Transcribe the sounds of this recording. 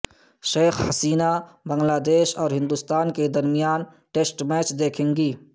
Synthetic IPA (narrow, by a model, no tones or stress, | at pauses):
ʃeːkʰhɐsiːnabəŋlaːd̪esɔːɾɦɪ̃nd̪ust̪aːnked̪ɐɾmijaːn | ʈesʈmɛt͡ʃd̪eːkʰeŋɡi